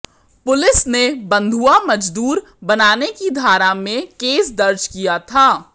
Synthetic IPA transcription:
pʊlɪsnebɐ̃nd̪ʱuamɐd͡ʒd̪uːɾ | bɐnaːnekid̪ʱaːɾamẽkeːsd̪ɐɾd͡ʒkijat̪ʰaː

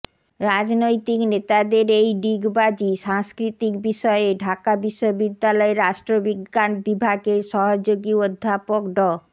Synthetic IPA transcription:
ɾad͡ʑnojt̪iknet̪ad̪eɾejɖiɡbad͡ʑiʃaŋskɾit̪ikbiʃɔeeɖʱakabiʃːobid̪ːalɔeɾaʃʈɾobiɡːanbibʱaɡeɾʃɔɦod͡ʑoɡiod̪ʱːapokɖɔ

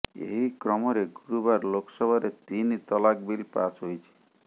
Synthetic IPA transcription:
ḛɦikɾɔmɔɾeɡuɾubaɾloksɔbʱaɾet̪init̪ɔlakbilpa̰sɦojt͡ʃʰi̥

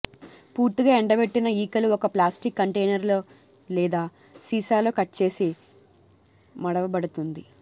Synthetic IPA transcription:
puːɾt̪iɡaːɛɳɖɐbe̞ʈːinɐiːkɐluɔkɐplaːsʈikːɐɳʈejnɐɾloː | lɛːd̪aː | siːsaːlo̞ːkɐʈt͡ʃe̞ːsi | mɐɽɐʋɐbɐɽut̪und̪i

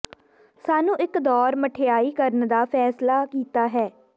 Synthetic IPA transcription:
saːnũːʔɪkd̪ɔːɾməʈʰejaːiːkəɾənd̪aːpʰɛːslaːkiːt̪aːɦɛː

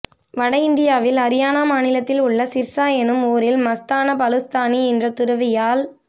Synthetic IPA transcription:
ʋɐɽɐɪnd̪ɪjaːʋɪlɐɾɪjaːnaːmaːnɪlɐt̪ːɪlʊɭːɐsɪɾsaːjɐnɯmoːɾɪlmɐst̪aːnɐpɐlɯst̪aːniɛndrɐt̪ʊɾɐʋɪjaːl

